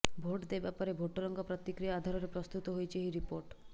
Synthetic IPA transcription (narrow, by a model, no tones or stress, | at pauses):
bʱoʈd̪ejbapɔɾebʱoʈɔɾɔŋɡɔpɾɔt̪ikɾijaːd̪ʱaɾɔɾepɾɔst̪ut̪ɔɦojt͡ʃʰeɦiɾipoɾʈ